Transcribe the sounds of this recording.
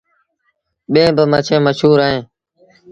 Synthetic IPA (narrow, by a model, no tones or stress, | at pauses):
ɓẽːbəmət͡ʃʰẽːməʃuːɾaːɦẽː